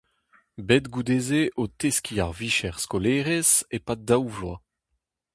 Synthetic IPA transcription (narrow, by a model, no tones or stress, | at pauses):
bedɡud̪eːzeʔot̪eskʰiaʁviʃɛʁskoleːʁezepadawvwa